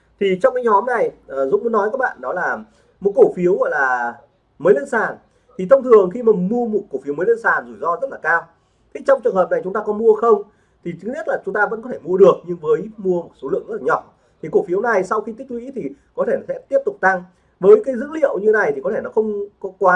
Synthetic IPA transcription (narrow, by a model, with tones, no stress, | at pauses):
t̪ʰi˨˩t͡ɕɔ˧wŋ͡mkaː˨˦jɲɔ˨˦mna˨˩jʔəː˨˩zṵ˨˦ku˧˦nɔ˨˦jkaː˦˥k̚ɓa̰ː˧˨nɗɔ˨˦laː˨˩ | mo˨˩t̚ko˧˩fi˨˦əwɣɔ̰˧˨jlaː˨˩ | məː˨˦jlə˧nsaː˨˩n | t̪ʰi˨˩t̪ʰə˧wŋ͡mt̪ʰɨ˨˩əŋxi˧maː˨˩mu˧əmo˨˩t̚ko˧˩fi˨˦wmə˨˦lə˧nsaː˨˩nzu˧˩jzɔ˧zə˦˥t̚laː˨˩kaː˧w | t̪ʰi˨˦t͡ɕɔ˧wŋ͡mt͡ɕɨ˨˩əŋɦəː˨˩p̚na˨˩jt͡ɕʊ˨˦ŋ͡mt̪aː˧kɔ˨˦mu˧əxə˧wŋ͡m | t̪ʰi˨˩t͡ɕɨ˨˦ni˦˥ət̚laː˨˩t͡ɕʊ˨˦ŋ͡mt̪aː˧və̰˧˥nkɔ˨˦t̪ʰe˧˩mu˧əɗɨ˨˩ək̚ɲɨ˧ŋvəː˨˦jmu˧əmo˨˩t̚so˨˦lɨ̰˧˨əŋzə˥laː˨ɲɔ˨˩ | t̪ʰi˨˩ku˧˩fi˨˦əwna˨˩jsa˧wxi˧t̪i˦˥k̚wḭ˧˥t̪ʰi˨˩kɔ˨˦t̪ʰe˧˩n˨˦sɛ̰˧˥t̪i˦˥əp̚t̪ʊ˨˩k͡p̚t̪a˧ŋ | vəː˨˦jkaː˨˦jzɨ̰˧˥lḭ˧˨əwɲɨ˧na˨˩jt̪i˨˩kɔ˨˦e˧˩nɔ˨˦xə˧wŋ͡mkɔ˨˦kwaː˨˦